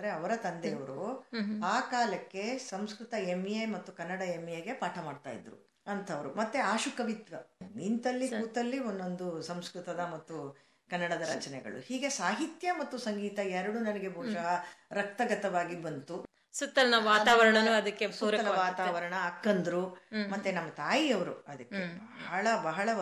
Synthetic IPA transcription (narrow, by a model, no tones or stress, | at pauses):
d̪ɾeɐʋɐɾɐt̪ɐnd̪ejɐʋɐɾuaːkaːlɐkːe̞sɐmskɾut̪ɐemːijɐjmɐt̪ːukɐnːɐɽɐemijɐɡe̞paːʈʰɐmaːɖt̪a̰ːjḭd̪ɾṵ | ɐnt̪ʰɐʋɐɾṵmɐt̪ːeaːʃukɐʋit̪ʋɐint̪ɐlːiuːt̪ɐlːionːo̞nd̪usɐmskɾut̪ɐd̪ɐmɐt̪ːu | kɐnːɐɽɐd̪ɐɾɐ̰t͡ʃɐnɛɡɐ̰ɭṵhiːɡe̞saːɦit̪jɐmɐt̪ːusɐŋɡiːt̪ɐɛɾɐɽunɐnɐɡe̞bʱɔːʃɐɦɐɾɐk̚t̪ɐɡɐt̪ɐʋaːɡibɐnt̪u | sut̪ːɐlnɐʋaːaːʋɐɾɐɳɐnuɐd̪ɐkːepuːɾɐɐɐɐʋaːt̪aːʋɐɾɐɳɐːkːɐnd̪ɐɾumɐt̪ːenɐmːɐt̪aːjiɐʋɐɾṵɐd̪ɐkːebɐɦɐɭɐbɐɦɐɭɐ